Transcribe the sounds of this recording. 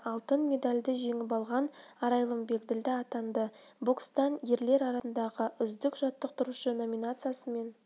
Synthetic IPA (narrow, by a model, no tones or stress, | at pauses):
ɑlˠt̪ənmʲe̞d̪alʲd̪ɪʒe̞ŋɪp̬ɑlˠʁɑnɑɾɑjlˠəmbe̞kd̪ɪld̪ɪɑt̪ɑnd̪əbokst̪ɑnje̞ɾle̞ɾɑɾɑsənd̪ɑʁəʔʏzd̪ɪkʒ̥ɑt̪ːəq̚t̪əɾuʃəno̞mʲinat̪sɨjasəme̞n